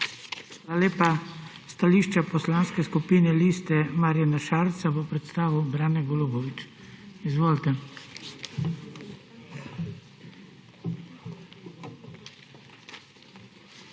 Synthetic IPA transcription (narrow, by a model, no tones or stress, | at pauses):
xalaleːpa | st̪aliːʃt͡ʃapɔslanskɛskupinɛliːst̪ɛmaɾjanaʃalt̪sabɔpɾɛt̪st̪aːʋubɾaːnɛɡɔlobɔʋit͡ʃizʋoːlt̪ɛ